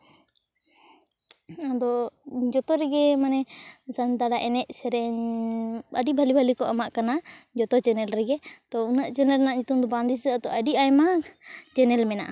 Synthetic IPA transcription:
ad̪ɔd͡ʒɔt̪ɔɾɛɡɛmanɛsant̪aɽaʔɛnɛʔsɛɾɛɲ | əɖibʱalibʱalikɔʔamaʔkanad͡ʒɔt̪ɔt͡ʃɛnɛlɾɛɡɛt̪ɔunaʔt͡ʃɛnɛlnaʔd͡ʒut̪umd̪ɔband̪isɛat̪ɔʔəɖiajmat͡ʃɛnɛlmɛnaʔa

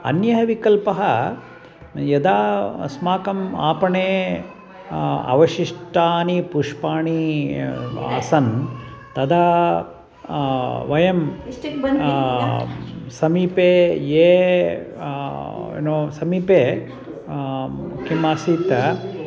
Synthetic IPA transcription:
ɐ̰njɐɦɐʋikɐlpɐɦɐ | jɐd̪aːsmaːkɐma̰ːpɐɳeː | ɐ̰ʋɐʃiʂʈaːnipuʂpaːɳi | a̰ːsɐnt̪ɐd̪aː | ʋɐjɐm | sɐmiːpeːjeː | ḛnoːsɐmiːpeː | kimaːsiːt̪ɐ

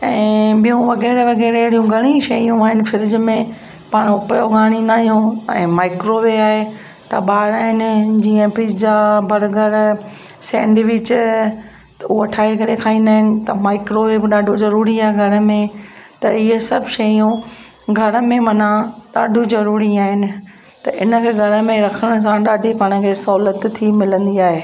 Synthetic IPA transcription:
ɛ̃ːɓijũʋɐɣɛːɾʋɐɣɛːɾeɽijũɡʱɐɽ̃ĩʃɐjũaːɦɪnɪ̆fɪɾɪd͡ʑmẽ | paːɽ̃ʊpjoɡaːɽ̃ĩːn̆d̪aːɦijũɛ̃ːmaːɪkɾoʋeaːɦe | t̪ɐ̰ɓaːɽaːɦɪnɪd͡ʑiːə̃pɾiːd͡ʑd͡ʑaːbʱɐɾɡəɾ | sɛ̰̃ːɳɖʋɪt͡ɕʊ | t̪uɐʈʰaːekɐɾekʰaːɦĩːn̆d̪aːɦɪnɪ̆t̪ɐmaːɪkɾoʋebɪɗaːɖʱozɐɾuːɾiaːɦeɡʱɐɾə̆mẽt̪ɐɪɦəsɐbʱʃɐiũ | ɡʱɐɾə̆mẽmɐnãɗaːɖʱuzɐɾuːɾiaːɦɪnɪ̆ | t̪ɐʔɪnəkʰeːɡʱɐɾə̆mẽɾɐkʰəɽ̃s̬ãɗaːɖʱipaːɽ̃ə̃kʰeːsɐɦulət̪ʰːimɪlə̃nd̪iaːɦeː

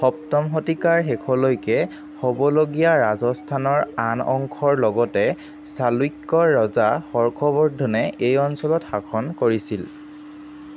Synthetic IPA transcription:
xɔp̚tɔmxotikaɹɦɛkʰɔlojkɛ | hobɔloɡijaɹazɔstʰanɔɹanɔ̰ŋkʰɔɹlɔɡɔtɛ | salwikːɔɹɔzaxɔɹkʰɔbɔɹdʱɔnɛejɔnsɔlɔtxakʰɔnkoɹisil

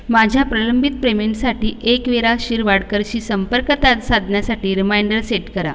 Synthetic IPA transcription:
mad͡ʑʱjapɾələmbʱit̪̚pɾemeɳʈsaʈiːʔekʋeɾaɕiːɾʋaɽkəɾɕiːsəmpəɾkət̪at̪sad̪ʱnjasaʈiːɾimajɳɖəɾseʈkəɾa̰

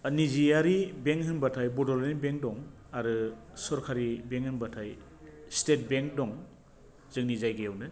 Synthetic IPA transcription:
nizijaɾibeŋkɦɯnbatʰajbɔdɔɾenbeŋk̚dɔŋ | aɾɯsɔɾkʰaɾibeŋhɯnbatʰaj | stet̚beŋk̚dɔŋ | zɯŋnizajɡejawnɯ

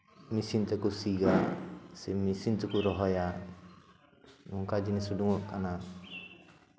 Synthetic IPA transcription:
misint̪ɛkusiɡasɛmisint̪ɔkuɾɔɦɔja | nuŋkad͡ʒinɛsuɖuŋɔʔkana

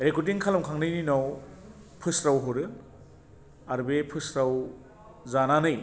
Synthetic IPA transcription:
ɾekutiŋkʰalɐmkʰaŋnɯjninaw | pʰɯsɾawɦoɾɯ | aɾbepʰɯsɾaw | zananɯj

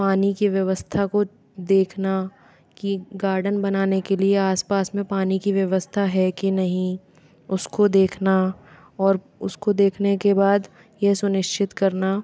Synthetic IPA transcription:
paːnikiʋjɐʋəst̪ʰako | d̪eːkʰna | kiɡaːɾɖənbɐnaːnekelieaːspaːsmẽpaːnikiʋjɐʋəst̪ʰaɦɛkinɐɦĩ | ʊskod̪eːkʰna | ɔːɾ | ʊskod̪eːkʰnekebaːd̪ | jesʊnɪʃt͡ʃʰɪt̪kɐɾna

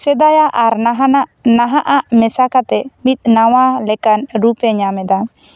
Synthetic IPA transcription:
sɛd̪ajaʔaɾnaɦanaʔnaɦaʔaʔmɛsakat̪ɛmit̪̚ˀnawalɛkanɾupɛɲamɛd̪a

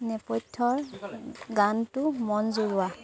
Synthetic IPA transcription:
nɛpɔtʰːɔɹ | ɡantʊmɔnzuɹuwa

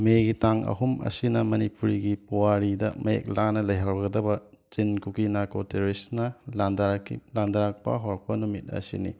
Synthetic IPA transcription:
meɡitaŋɐ̰ɦumɐ̰sinɐmɐnipuɾiɡipowaɾidɐ̰mɐḛk̚lanɐlɐjɦaɾɡɐdɐbɐ | t͡ʃinkukinakoteɾisnɐlandaklandaɾak̚pɐ̰ɦoɾɔk̚pɐnumit̚ɐ̰sḭnḭ

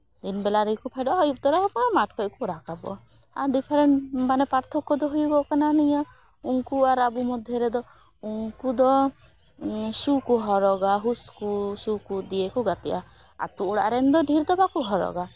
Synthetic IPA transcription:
d̪inbɛlaɾɛkupʰajɖɔʔɦɔjup̚t̪ɔɾɔɦɔbɔamaʈ̚ʰkʰɔjkuɾakabɔ̰ | a̰d̪ipʰeɾɛɳmanɛpaɾt̪ʰɔkːɔd̪ɔɦujuɡɔkananija | uŋkuaɾabumɔd̪ʱjɔɾɛd̪ɔ | uŋkud̪ɔ | sukuɦɔɾɔɡaɦuskusukud̪ijekuɡat̪ɛʔa | a̰t̪uːɽa̰ɾɛnd̪ɔɖʱiɾd̪ɔbakuɦɔɾɔ̰ɡa

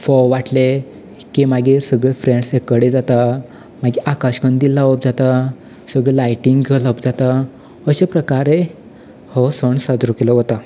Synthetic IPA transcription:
fɔwʋaʈle | kimaɡiɾsəɡɭefɾẽɳɖsekəɽed͡zat̪a | maɡiʔakaɕkəɳd̪ilːaʋəp̚d͡zat̪a | səɡɭelajʈiŋɡlaəpd͡zat̪a | əɕepɾəkaɾe | hɔsəɳsad̪ɾukelɔɦot̪a

